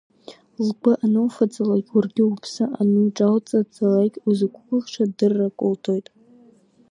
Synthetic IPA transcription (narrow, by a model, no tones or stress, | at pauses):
lɡʷaʔanowfad͡zʼalakʲʼurɡʲɪupʰsɨʔanɨʈ͡ʂʼawt͡sʼad͡zalakʲʼuzɨkʷʰkʷʼʊχʂadɨrːakʷʼʊltʰojtʼ